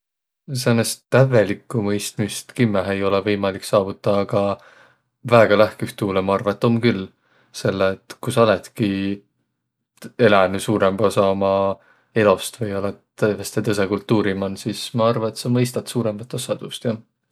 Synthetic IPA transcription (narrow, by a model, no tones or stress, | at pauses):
senːest̪ːæve̞likːˑumɤ̞jst̪mist̪kimːeɦejo̞levɤjmɑlikːsɑːvut̪ːˑɑːɡ̥ɑ | væeɡ̥ɑlæhkyht̪uːlemɑɑrvɑet̪ːˑo̞mkylː | se̞lːeːt̪kusɑlet̪ki | e̞lænusuːɾe̞mb̥ɑsɑomɑ | e̞lo̞st̪vɤjolet̪ːɤvest̪et̪ɤs̬e̞kult̪ːˑuːɾimɑnsismɑɑrvɑet̪sɑmɤjst̪ɑt̪suːɾe̞mb̥ɑt̪ːˑosɑd̪̥ust̪jɑ